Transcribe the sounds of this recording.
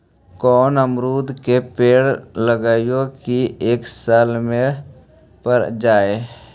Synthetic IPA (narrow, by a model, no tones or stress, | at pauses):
kɔːnəmɾuːd̪kepeːɽləɡaːjõkieːksaːlmẽ | pəɾd͡ʒaːe